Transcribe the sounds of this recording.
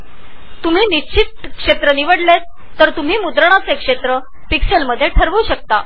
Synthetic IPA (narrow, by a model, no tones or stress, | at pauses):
t̪um̤iːnit͡ɕʰit̪̚kʂet̪ɾəniʋəɽle | t̪əɾt̪um̤iːmud̪ɾəɳ̃at͡sekʂet̪ɾə | pikselməd̪ʱːjeʈʰəɾʋuɕək̚t̪a